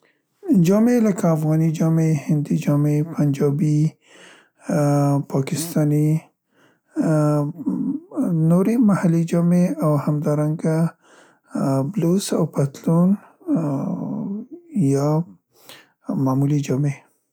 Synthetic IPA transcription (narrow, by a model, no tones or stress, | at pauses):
d͡ʒɑmeləkaːfɣɑnid͡ʒɑmehɪnd̪id͡ʒɑmepʰand͡ʒɑbi | pʰɑkɪst̪ɑni | noɾemahalid͡ʒɑmeawhamd̪ɑɾaŋɡa | blosawpat̪lun | jɑ | mamulid͡ʒɑme